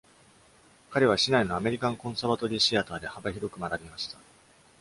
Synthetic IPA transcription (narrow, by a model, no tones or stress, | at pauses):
kaɾe̞β̞aɕinaino̞ame̞ɾʲikãŋkõ̞ɰ̃saːβat̪o̞ɾʲiːɕiat̪aːd̪e̞habaçiɾo̞kɯ̟maɾabʲimaɕi̥t̪ḁ